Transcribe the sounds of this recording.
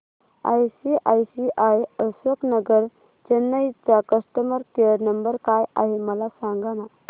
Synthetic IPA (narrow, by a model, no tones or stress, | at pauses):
a̰jsiʔajsiʔajəsʋəknəɡəɾ | t͡ɕənːəit͡sakəst̪əməɾkeəɾnəmbəɾkaja̰ɦiməlasãŋɡana